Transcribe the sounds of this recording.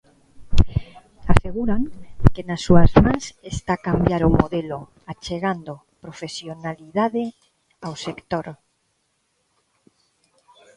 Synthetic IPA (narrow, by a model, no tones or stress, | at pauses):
aseɣ̞uɾaŋkenasːuazmãnsest̪akambjaɾomoðelo | at͡ʃeɣand̪o | pɾofesjonaliðaðe | awsekt̪oɾ